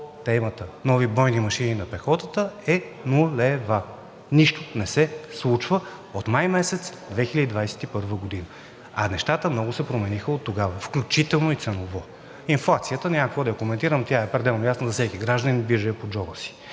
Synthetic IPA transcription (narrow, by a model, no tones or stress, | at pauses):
t̪ɛmət̪ənɔvibɾɔjnimɐʃininɐpɛxɔt̪ət̪əɛnuɛva | niʃt̪onɛsɛslˠut͡ʃvə | ot̪majmɛsɛt̪sd̪vɛxilʲəd̪id̪vajsɛ̥t̪ipɤɾvəɡod̪inə | ɐnɛʃt̪at̪əmnɔɡʊsɛpɾomɛnixəot̪ːoɡavəfklʲut͡ʃit̪ɛlˠnoit̪sɛnˠovɔ | inflˠat̪sijət̪ənʲɛakvod̪ɐjɐkomɛnt̪iɾəmt̪ʲjaɛpɾɛd̪ɛlˠnojasnəzɐsɛkiɡɾaʒd̪ənibiʒɛjəpod͡ʒɔbəsi̥